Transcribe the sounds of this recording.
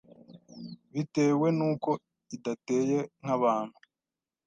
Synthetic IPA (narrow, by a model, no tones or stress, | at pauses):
βite̞ːwe̞nuːko̞ | idate̞ːje̞ŋ̥aβaːn̥hu